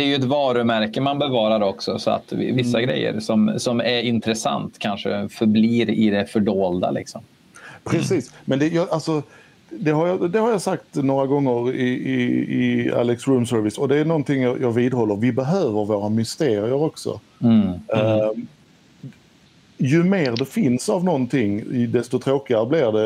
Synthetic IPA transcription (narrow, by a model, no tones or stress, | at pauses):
d̪ɛæɾjɵɛt̪vɑːɾɵmæɾkəmanbɛvɑːɾaɾɔksɔsɔa̰t̪ɪ̰vɪsːaɡɾɛ̰jːə̰ɾsɔmsɔmæɾɪnt̪ɾɛsa̰nt̪kʰanʂə̰fœɾbliːɾɪd̪ɛfœɖoːld̪a̰lɪ̰ksɔm | pʰɾɛsiːsmɛnd̪ɛjɑːʔalsɔ | d̪ɛɦaɾjɑd̪ɛhaɾjɑsakt̪noːɾaɡɔŋːəɾɪɪɪa̰lɛksɾʉmsœɾvɪsɔd̪ɛænɔnt̪ɪŋːjɑːjɑːɡviːd̪ɦɔlːəɾvɪbɛɦøːvəɾvoːɾamʏst̪eːɾɪəɾɔksɔ̰ | jɵmeːɾd̪ɛfɪnsavnɔnt̪ʰɪŋːd̪ɛst̪ɔt̪ʰɾoːkɪaɾəblɪɾd̪ɛ